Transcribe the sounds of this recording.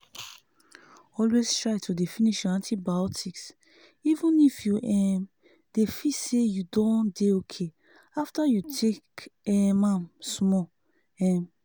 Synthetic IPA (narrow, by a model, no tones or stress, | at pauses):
ɔlwestɹaɪtʰudefĩniʃãntʰibajɔtʰiks | ivũnifjuʔɛm | d̥efisejudɔ̃ndeokʰe | aftajutʰekɛmãmsmɔ | ɛ̃m